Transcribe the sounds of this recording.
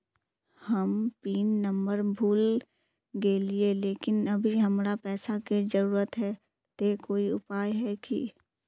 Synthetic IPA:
hɐmpiːnːə̃mbəɾbʱuːl | ɡelieleːkɪnɐbʱiɦɐmɾapɛːsakid͡ʒəɾuːɾət̪ɦɛː | t̪ekoːiʊpaːjɦɛkḭ

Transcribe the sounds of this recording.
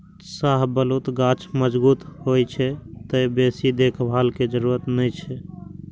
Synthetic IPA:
saɦbəlut̪ɡat͡ʃʰməd͡ʒbut̪ɦojt͡ʃʰɛt̪əjbesid̪ekʰbʱalked͡ʒəɾuɾət̪nəjt͡ʃʰɛ

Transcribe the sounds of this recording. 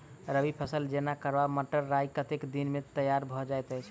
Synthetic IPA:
ɾəbipʰəsəld͡ʒenakəɾbaməʈəɾːajkət̪ekd̪inmet̪əjaɾbʱɔd͡ʒajt̪əjt͡ʃʰ

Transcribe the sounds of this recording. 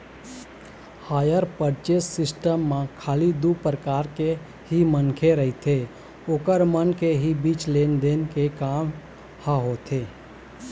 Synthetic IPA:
haːjəɾpəɾt͡ʃeːsɪsʈəmːãkʰaːlid̪upɾəkaːɾke | ɦimənkʰeɾəɦit̪ʰe | oːkəɾmənkeɦibiːt͡ʃleːnd̪eːnkekaːm | haɦot̪ʰeː

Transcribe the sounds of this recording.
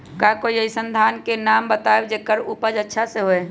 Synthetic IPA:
kakoiəɦisənd̪ʱaːnkenaːmbət̪aed͡ʒekəɾupəd͡ʒətːʃʰaseɦoe

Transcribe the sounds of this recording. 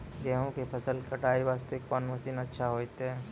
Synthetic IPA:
ɡɛːɦõkepʰɐsəlkəʈaːiʋaːst̪ekɔːnmɐsiːnətːʃʰaɦoːt̪ɛː

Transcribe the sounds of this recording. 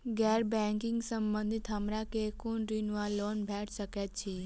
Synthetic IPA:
ɡɛɾbɛ̃ŋkɪ̃ŋɡsəmbə̃nd̪ʱit̪ɦəmɾakekunɾinʋalːonbʱɛʈʰsəket̪t͡ʃʰi

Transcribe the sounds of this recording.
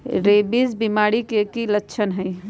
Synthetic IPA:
ɾebizbimaɽikekilətːt͡ʃʰənɦəɪ

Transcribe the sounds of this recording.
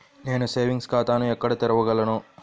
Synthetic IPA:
ne̞ːnuse̞ːʋiŋɡskaːt̪aːnuɛkːɐɽɐt̪eɾɐʋɐɡɐlɐnu

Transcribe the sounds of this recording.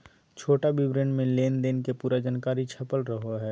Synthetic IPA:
t͡ʃʰoːʈabɪbɾẽːɳɖmẽleːnd̪eːnkepuːɾad͡ʒaːnkaːɾit͡ʃʰɐpəlɾəɦoɦɛː

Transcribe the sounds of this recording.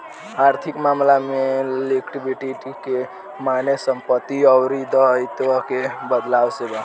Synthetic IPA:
aɾt̪ʰikmamlamelekʈibiʈiʈike | manesəmpət̪ːiəwɾid̪əjt̪əkebəd̪lawseba

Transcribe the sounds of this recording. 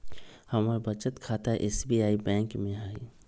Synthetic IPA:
hɐmaɾbət͡ʃət̪kʰaːt̪aʔeːsbiaːibɛ̃ːŋkmẽɦaːi

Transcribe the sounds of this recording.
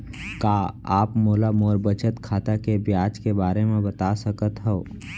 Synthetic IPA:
kaːaːpmoːlamoːɾbət͡ʃət̪kʰaːt̪akebjaːd͡ʒkebaːɾemẽbət̪asəkət̪ɦɛo

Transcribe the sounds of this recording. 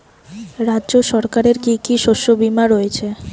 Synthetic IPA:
ɾadːʑoʃɔɾkaɾeɾkikiʃoʃobimaɾoet͡ɕʰe

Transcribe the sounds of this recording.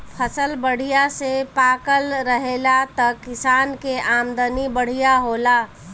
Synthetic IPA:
pʰəsəlbəɽ̤ijasepakəlɾəɦelat̪əkɪsankeamd̪ənibəɽ̤ijaɦola

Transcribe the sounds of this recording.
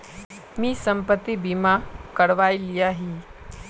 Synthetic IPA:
miːsəmpət̪ːibimakəɽʋajlijaɦiː

